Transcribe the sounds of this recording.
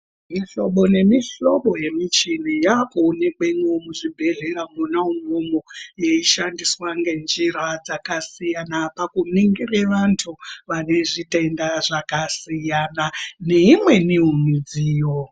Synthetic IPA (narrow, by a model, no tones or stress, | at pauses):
miɬo̞ɓo̞ne̞miɬo̞ɓo̞je̞mit͡ʃinijakuːne̞keiŋwomuʐibʱe̞ɮe̞ɾamunauŋomojeiʃandiswaŋɡe̞nd͡ʒiɾad͡zakasijanapakuniŋɡireʋantʰuʋane̞ʐite̞ndaʐakasijanane̞imwe̞niɦumid͡ziːjo